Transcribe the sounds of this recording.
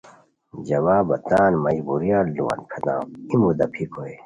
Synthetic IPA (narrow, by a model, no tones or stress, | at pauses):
d͡ʑɐwaːbɐt̪aːnmɐd͡ʑbuɾijãːlluwa̰nkʰɐt̪ã̰ːimud̪ɐpʰikʰoe